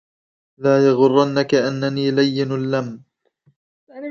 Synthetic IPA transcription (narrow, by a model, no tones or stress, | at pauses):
laːjɑɣʊrˤːɑnːakaʔanːaniːlajːɪnalːam